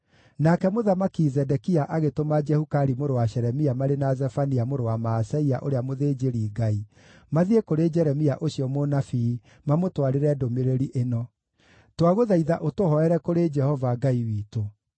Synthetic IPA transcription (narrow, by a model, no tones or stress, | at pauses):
nakɛmoðamakizɛdɛkiaʔaɣetomad͡ʒɛhukaɾimoɾowaɕɛɾɛmiamaɾenazɛfaniamoɾowamaːsɛiaʔoɾeamoðeːd͡ʒeɾiːɡai | maðiekoɾed͡ʒɛɾɛmiaʔoɕiɔmonafi | mamotwaɾeɾɛdomeɾeɾiʔenɔ | twaɣoðaiðaʔotohɔɛɾɛkoɾed͡ʒɛhɔvaɡaiwiːto